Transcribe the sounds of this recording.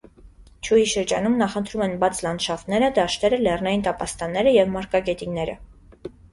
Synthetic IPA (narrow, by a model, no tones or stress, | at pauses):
t͡ʃʰujiʃəɾd͡ʒɑnumnɑχənt̪ʰɾumɛnbɑt͡sʰlɑnʃɑft̪nɛɾəd̪ɑʃt̪ɛɾəlɛrnɑjint̪ɑpɑst̪ɑnːɛɾəjɛvmɑɾkɑɡɛt̪inɛɾə̰